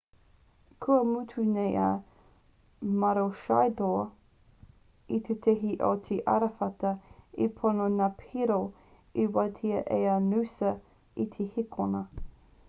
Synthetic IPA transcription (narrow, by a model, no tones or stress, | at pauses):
kʰuəmutʰunejʔa̰ | mɐɾoʃajdoː | it̪ʰetʰeɦiʔo̰t̪ʰeʔɐ̰ɾɐfɐtɐipʰononapʰiɾo | iwɐtʰiɐʔeɐnʉsɐ | it̪ʰehikʰonə